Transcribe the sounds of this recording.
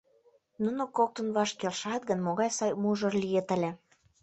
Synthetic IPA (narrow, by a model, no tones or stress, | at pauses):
nunokok̚t̪ə̆nβɑʃkelʃɑt̪̚ɡənmoɣɑjsɑjmuʒɤ̆rlʲijet̪ə̆lʲĕ